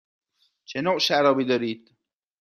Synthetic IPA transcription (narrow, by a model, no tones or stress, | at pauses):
t͡ʃʰenoʔʃæɾɒːbid̪ɒːɾiːd̪̥